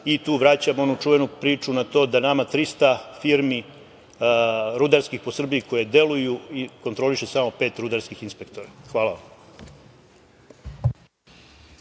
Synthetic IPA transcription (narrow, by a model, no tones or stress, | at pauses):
it̪uːʋɾaːt͡ɕamo̞nut͡ʃuʋe̞nupɾiːt͡ʃunat̪o̞ːd̪anamat̪ɾist̪afiɾmi | ɾud̪aɾskixposr̩bijiko̞jed̪je̞lujuiko̞nt̪ɾo̞liʃesamo̞pe̞ːt̪ɾud̪aɾskixinspe̞k̚t̪o̞ɾaxʋaːlaʋa̰m